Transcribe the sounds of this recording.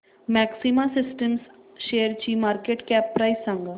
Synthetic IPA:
mɛːksimasɪsʈəms | ʃeːəɾt͡ɕiːmaːɾkeːʈkɛːpːɾaisãŋɡ

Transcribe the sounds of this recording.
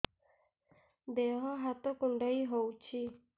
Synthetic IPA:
d̪eɦɔ̃ɦat̪okuɳɖəiɦowt͡ɕʰi

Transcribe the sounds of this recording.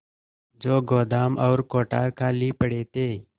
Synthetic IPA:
d͡ʒoːɡoːd̪aːmʔɔːɾkoːʈaːɾkʰaːliːpəɽeːt̪eː

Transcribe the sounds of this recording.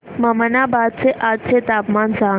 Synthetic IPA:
məmənabaːd̪̚t͡seʔad̪̚t͡set̪aːpmansã

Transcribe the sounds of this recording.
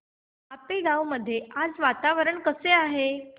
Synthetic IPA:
apeɡawməd̪ʱːjead͡zʋat̪aʋəɾəɳkəseaɦe

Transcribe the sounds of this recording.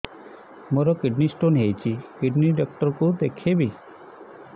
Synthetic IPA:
moɾɔkiɖnisʈonɦejt͡ʃʰikiɖniɖɔk̚ʈəɾkud̪ekʰebi

